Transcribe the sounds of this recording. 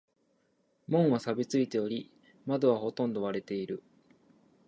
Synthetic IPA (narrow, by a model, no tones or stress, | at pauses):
mõ̞ɰ̃βasabʲit͡sɨit̪e̞o̞ɾʲi | mad̪oβ̞aho̞t̪õ̞nd̪o̞βaɾe̞t̪e̞iɾɯ̟